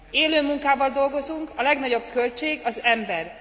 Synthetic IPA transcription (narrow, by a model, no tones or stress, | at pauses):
eːløːmuŋkaːbɒnd̪o̞lɡo̞zuŋkɒlɛɡnɒɟo̞b̥̚kø̞lt͡ʃeːɡɒzɛmbɛr